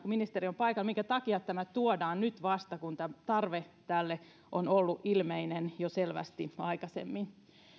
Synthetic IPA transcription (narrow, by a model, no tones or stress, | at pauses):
kuminist̪eriompɑikɑlmiŋkæt̪ɑkiɑt̪t̪ːæmæt̪uodɑːnnyt̪ʋɑst̪ɑkunt̪æmt̪ɑrʋet̪ælːe | ʔonolːuʔilmeinenjoselʋæ̰st̪iɑikɑsḛmːin